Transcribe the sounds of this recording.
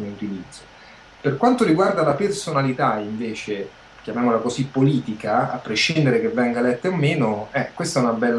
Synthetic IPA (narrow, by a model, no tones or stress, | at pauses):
niut̪ilid̪zːo | perkwant̪oɾiɡward̪alapersonalit̪aiɱveːt͡ʃe | k̟jamjaːmolakosipːoliːt̪ikaa̰pːɾeʃːind̪eɾek̟evːɛŋɡalɛt̪ːeomːeːnoɛkwest̪aɛunabɛlː